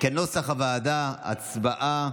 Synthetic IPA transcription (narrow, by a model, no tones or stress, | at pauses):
kenosaχavaːd̪aa̰t͡sbaʔa